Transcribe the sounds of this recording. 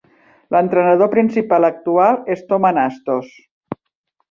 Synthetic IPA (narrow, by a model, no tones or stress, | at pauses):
lənt̪ɾənəðopɾinsipalək̚t̪ualˠest̪omanast̪os